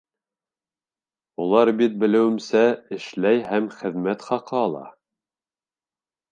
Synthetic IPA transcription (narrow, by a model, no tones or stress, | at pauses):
ulˠɑɾbit̪̚bɘ̆lɘ̆wɘ̆msæɘ̆ʃlæjɦæmχɘ̆ðmæt̪χɑqɤɑlˠɑ̰